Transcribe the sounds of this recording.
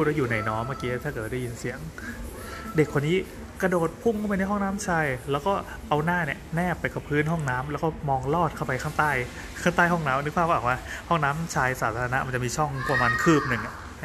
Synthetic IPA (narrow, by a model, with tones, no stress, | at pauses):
u˧˩t̚wa˥˩juː˨˩na˧˩jnɔː˦˥maː˥˩kiː˦˥la˧˩t̪ʰaː˥˩kɤː˨˩t̪̚da˥˩ji˧nsi˩˦əŋ | de˨˩kʰwa˧niː˦˥ | kɾa˧doː˨˩t̪̚pʰu˥˩mŋkʰa˥˩pa˧jna˧˥˩ɦhɔ˥˩ŋnaː˦˥mt͡ɕʰaː˧jlɛː˦˥wkɔː˥˩ | ʔa˧wnaː˥˩ni˦˩ənɛː˥˩pːa˧jka˧˩pʰɯː˦˥˨nɦɔ˥˩ŋnaː˦˥mlɛ˦˥wkɔː˥˩mɔː˧ŋlɔː˥˩t̪̚kʰa˥˩wpa˧jkʰa˥˩ŋt̪aː˥˩j | kʰaː˥˩ŋt̪aː˥˩jɦɔ˥˩ŋnaː˦˥m˧˨nɯ˦˥k̚ʰa˥˩aː˨˩waː˧˥˩hɔ˥˩ŋnaː˦˥mt͡ɕʰaː˧jsaː˩˦t̪ʰaː˧a˧na˦˥ma˧nt͡ɕa˨˩miː˧t͡ɕʰɔ˥˩ŋku˧˩maː˧nkʰɯː˥˩p̚nɯ˨˩ŋʔa˨˩